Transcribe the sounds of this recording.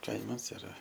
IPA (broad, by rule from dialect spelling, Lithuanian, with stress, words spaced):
ˈkɐɪmɐs ɪˈrɐ